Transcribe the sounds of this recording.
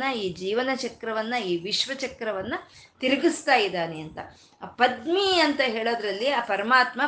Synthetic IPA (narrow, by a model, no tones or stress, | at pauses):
ɐiːd͡ʒiːʋɐnɐt͡ʃɐkɾɐʋɐnːɐiːʋiʃʋɐt͡ʃɐkɾɐʋɐnːɐt̪iɾɐɡist̪aːjid̪aːneɐnt̪ɐ | pɐd̪miɐnt̪ɐɦeːɭoːd̪ɾɐlːiaːpɐɾɐmaːt̪mɐ